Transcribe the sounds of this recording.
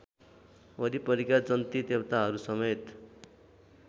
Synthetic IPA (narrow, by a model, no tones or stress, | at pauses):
ʌɾipʌɾikad͡zʌnt̪id̪ebt̪aɦʌɾusʌmet̪